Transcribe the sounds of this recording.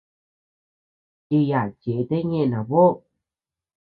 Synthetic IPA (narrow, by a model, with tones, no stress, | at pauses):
i˧ja˨t͡ɕe˨˦t̪e˦ŋe˧˨na˨βo˦˨